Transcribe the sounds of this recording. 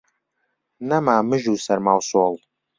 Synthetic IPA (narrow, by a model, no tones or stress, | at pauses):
nɐmaːmɨʒuːsɐrmawsolˠ